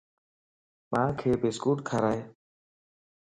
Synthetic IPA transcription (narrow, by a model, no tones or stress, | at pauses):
mãːkʰeːbeːskuːʈkʰaːɾaːɦeː